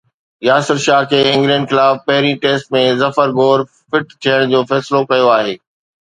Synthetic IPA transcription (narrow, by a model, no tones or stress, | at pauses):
jaːsɪɾʃaːkʰeːɪ̃ŋɡlə̃ːɳɖxɪlaːfpɐɦɪɾiʈeːsʈ̚mẽzɐfəɾɡoːɾ | fɪʈt̪ʰijəɽ̃d͡ʑoːfɛːslokɐjoaːɦeː